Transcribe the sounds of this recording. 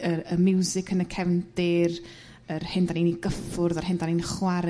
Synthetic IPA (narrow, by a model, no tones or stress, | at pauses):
əəmɪwzɪkʰənəkʰɛvnd̥ɪr | ərhɪndaniniɡəfʊrðarɦɪndaninχwaɾ